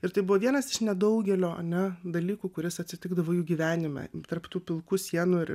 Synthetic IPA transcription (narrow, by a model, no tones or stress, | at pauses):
ɪɾt̪ɐɪbʊʋɔʋʲiɛnɐsɪʃnʲɛd̪ɐʊɡʲɛlʲoːʔɐ̰nʲɛd̪ɐlʲiːkuːkʊɾʲɪsɐt̪ʲsʲɪt̪ʲɪɡd̪ɐʋoːjuːɡʲiːʋʲæːnʲɪmʲɛ̰t̪ɐrpt̪uːpʲɪlˠkuːsʲiɛnuːɪ